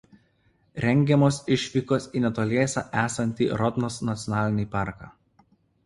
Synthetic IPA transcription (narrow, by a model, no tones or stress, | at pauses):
ɾʲɛŋʲɡʲɛmoːsɪʃʲʋʲiːkosiːnʲɛt̪oːlʲeːsʲɑ̰ːʔæːsɐnʲt̪ʲḭːɾɔt̪nɔsnɐt̪sʲɔnɑːlʲɪnʲɪpɑˑɾkɑ̰ː